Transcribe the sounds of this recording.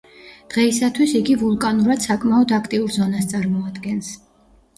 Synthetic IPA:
d̪̥ʁɛisat̪ʰwisiɡivulˠkʼanuɾad̪̥sakʼmaɔd̪akʰt̪ʼiuɾzɔnast̪sʼaɾmɔad̪ɡɛns

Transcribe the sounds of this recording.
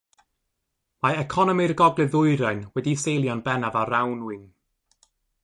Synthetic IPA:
majɛkʰɔnɔmirɡɔɡlˠɨðʊɨɾajnwɛdisejlˠjɔnbɛnavaɾawnwɪn

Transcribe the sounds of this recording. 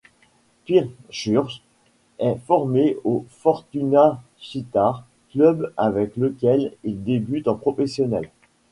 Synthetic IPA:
piʁʃyʁz | ɛfɔʁmeofɔʁt̪yna | ʃit̪aʁ | klœbavɛkləkʲɛlild̪ebyt̪ɑ̃pχɔfɛsjɔnɛl

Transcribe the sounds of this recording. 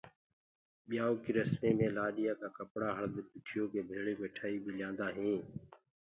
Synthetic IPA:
ɓɪjaːoːkiːɾəsmeːmẽːlaːɗɪjãːkaːkəpɽaːɦəɾd̪pɪʈʰɪjoːkeːbʱeːɭeːmeːʈʰaːiːbiːlɪjãːnd̪aːɦĩː

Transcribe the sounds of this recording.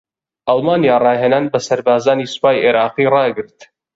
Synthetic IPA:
ʔɑlˠmaːnjaːrɑːheːnaːnbɐsɐɾbaːzaːniːsɨ̥paːjʔeɾɑːqiːrɑːɡɨɾt̪

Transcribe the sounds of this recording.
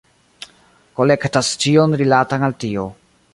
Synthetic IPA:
ko̞le̞ktast͡ʃio̞nɾilatanaltio̞

